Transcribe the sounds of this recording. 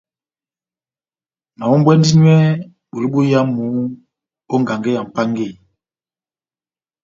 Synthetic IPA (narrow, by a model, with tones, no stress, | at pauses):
na˨mo˦m˦bwɛ˦n˦di˦ɲwɛ˦ | ɓu˨li˦ɓo˦ja˦mu˨˦ | o˦ŋ˨ɡa˨ŋɡe˦ja˨m̩˨pa˦ŋɡe˦˨